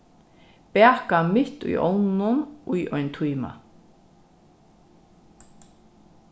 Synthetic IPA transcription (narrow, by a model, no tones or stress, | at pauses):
pɛːkamɪht̪ṵjɔ̰wnʊnujʔɔʏnt̪ʰujma̰